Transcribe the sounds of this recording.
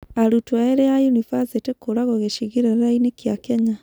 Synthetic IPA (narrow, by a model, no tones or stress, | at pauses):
aɾutwaeɾejajunifazetekoɾaɣoɣeʃiɣiɾeɾainekjakɛɲa